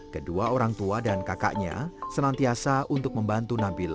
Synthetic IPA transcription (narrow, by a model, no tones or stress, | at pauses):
kəduaoɾaŋt̪uadankaka̰ʔɲa̰sənant̪iasaunt̪ʊk̚məmbant̪unabil